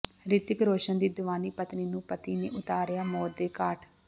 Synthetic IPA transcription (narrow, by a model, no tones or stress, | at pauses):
ɾɪt̪ɪkɾoːʃənd̪iːd̪ʊʋaːniːpət̪niːnũːpət̪iːneːʔʊt̪aːɾɪjaːmɔːt̪̚d̪eːkaːʈʰ